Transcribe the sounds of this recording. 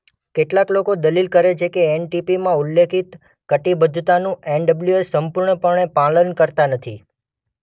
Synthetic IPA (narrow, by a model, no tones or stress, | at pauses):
keʈlaklokod̪əlilkəɾet͡ʃʰekeenʈipimãulːekʰit̪ | kəʈibəd̪ʱut̪anũenɖəbljuesəmpuɾɳəpəɳ̃epalənkəɾt̪anət̪ʰi